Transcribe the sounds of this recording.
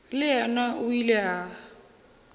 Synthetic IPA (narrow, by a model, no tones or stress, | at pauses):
lɪɛnaʔʊilɛaː